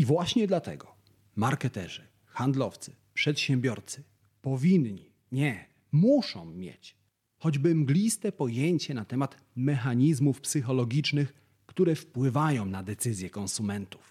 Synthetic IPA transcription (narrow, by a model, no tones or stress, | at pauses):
ivwaɕɲɛd̪lat̪ɛ̰ɡɔ | maɾkɛt̪ɛʐɘ | xand̪lɔft̪sɘ̥ | pʂɛt̪ɕɛ̃mbʲjɔɾt̪sɘ̥ | pɔvʲinɲi | ɲɛ | muʂɔ̃w̃ːʲjḛt͡ɕ | xɔd͡ʑbɘmɡlʲist̪ɛpɔjeɲt͡ɕɛnat̪ɛmat̪ | mɛxaɲizmufpsɘxɔlɔɡʲit͡ʂnɘx | kt̪uɾɛfpwɘvajɔ̃w̃nad̪ɛt̪sɘzʲjɛkɔ̃nsumɛnt̪u̥f